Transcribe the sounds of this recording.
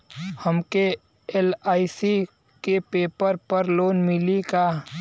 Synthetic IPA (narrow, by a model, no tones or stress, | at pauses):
həmke | elaːisi | kepeːpəɾpəɾloːnmɪlikaː